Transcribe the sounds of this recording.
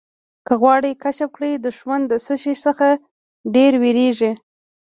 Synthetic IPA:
kəɣwɑɽəjkaʃap̚kɽəjd̪əʒwand̪ːəsəʃisəxa | ɖeɾweɾeʒi

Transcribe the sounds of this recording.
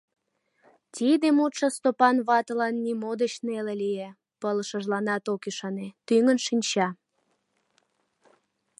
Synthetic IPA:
t̪ʲid̪emut̪ʃəst̪opɑnβɑt̪əlɑnːimod̪ət͡ɕnelelije | pələʃəʒlɑnɑt̪okiʃɑnet̪yŋənʃinʲt͡ɕɑ

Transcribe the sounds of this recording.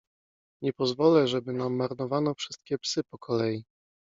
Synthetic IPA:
ɲɛpɔzvɔlɛʐɛbɘnamːaɾnɔvanɔfʂɘst̪̚kʲɛpsɘpɔkʰɔlɛji

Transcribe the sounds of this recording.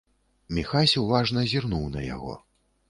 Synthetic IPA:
mʲixasʲɛwvaʐnɐzʲirnuwnɐ̰ja̰ɣɔ̰

